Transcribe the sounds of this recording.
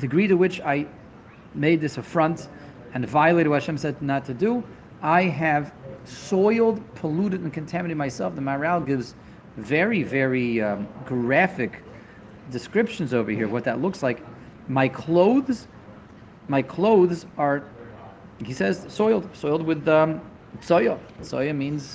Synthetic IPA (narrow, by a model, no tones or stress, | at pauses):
d̥ɨɡɹiɾɨwɨt͡ʃaɪ | meɪd̪̚ðɪsəfɹʌ̃nt | ɨ̃nvaɪɨleɪɾɨdwʌɾɨʃɛ̃msɛdnətʰɨdɨ | aɪɨv̥sɔɪlˠd̚pʰəluɾɨɾ̃nkʰɨ̃n̩tʰæmɨnɪ̃maɪsɛlˠfðəma˞alˠɡɪvz | vɛɹivɛɹiɡ̥ɹæfɨk | d̥ɨskɹɪpʃɨ̃n̩zoʊvə˞hiɹwʌt̪̚ðɨtˡlʊkslaɪk | maɪkʰl̥oʊðz | maɪkʰl̥oʊðzə˞ | isɛz̥sɔɪl̩ˠd̥̚sɔɪlˠd̚wɨð | sɔɪəsɔ̰ɪɨmĩnz̥